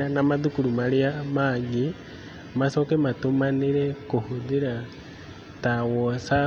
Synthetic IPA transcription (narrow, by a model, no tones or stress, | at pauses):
anamaðukulumaliamaɡi | masokematumaniɾekuhuðiɾa | tawosa